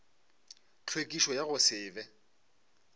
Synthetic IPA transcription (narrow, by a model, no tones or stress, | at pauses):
t͡ɬʰwekʼiʃɔjaɣʊsɪːbɛ